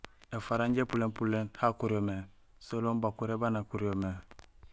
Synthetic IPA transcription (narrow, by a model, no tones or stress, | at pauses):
efaɾaɲɟepulempulenhakuɾome | solombakuɾebanakuɾiome